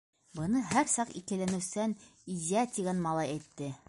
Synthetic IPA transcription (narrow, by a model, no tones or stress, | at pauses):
bɤ̆nɤɦæɾsɑqḭkɘ̆lænɘ̆wsænizʲiæt̪ʲiɡænmɑlˠɑjæjt̪ːɘ